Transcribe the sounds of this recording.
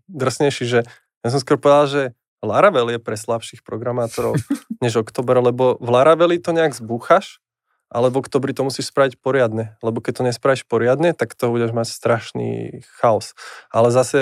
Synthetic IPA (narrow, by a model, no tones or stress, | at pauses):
d̪r̩sɲɛjʃiʒɛ | ɲɛs̬ɔms̬kwɔɾpɔʋɛd̪alʒɛ | laɾaʋɛljɛpɾɛslapʃixpɾɔɡɾamaːt̪ɔɾɔʊɲɛʒɔkt̪ɔːbɛɾlɛbɔvlaɾaʋɛlit̪ɔɲɛaɡzbuxaʃ | ʔalɛvɔkt̪ɔːbɾit̪ɔmusiːʃspɾaʋicpɔɾɪad̪ɲɛlɛbɔkɛc̚t̪ɔɲɛspɾaʋiʃpɔɾɪad̪ɲɛt̪akt̪ɔbuɟɛʒmacst̪ɾaʃnḭːxaɔsʔalɛzasɛ